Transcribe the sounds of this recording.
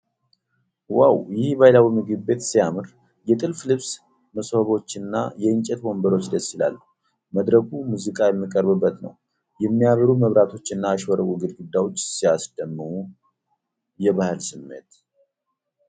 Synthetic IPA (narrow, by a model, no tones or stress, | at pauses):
wawjɪhbajlawimɨɡɨβːe̞t̪sijamɨɾ | jɛt̪ʼɨlflɨβs | məshəβo̞t͡ʃːɨnːajɛɨɲt͡ʃʼɛt̪bo̞mbəɾo̞t͡ʃːd̪əsːila̰lːəhu | məd̪ɾəɡumuzɨkʼajɛmːikʼəɾbɨbːət̪nə̰w | jɛmːijaβəɾuməβɾat̪ʰo̞t͡ʃːɨnːaːʃwəɾəwʼuɡɨd̪ɡɨd̪ːawo̞t͡ʃːsijasd̪əmːɨhu | jɛβahɨlsɨmːe̞̰t̪